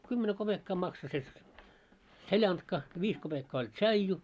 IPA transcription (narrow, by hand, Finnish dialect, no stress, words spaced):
kymːene kob̥ekːɑː mɑkso se selʲɑntkɑ ʋiːs kob̥ekːɑː olʲ tʃɑiju